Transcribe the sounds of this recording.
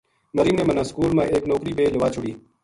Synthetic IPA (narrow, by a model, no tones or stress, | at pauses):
məɾiːmnẽːmənãːskuːlmãːʔeːknoːkɾiːbeːləʋaːt͡ʃʰʊɽiː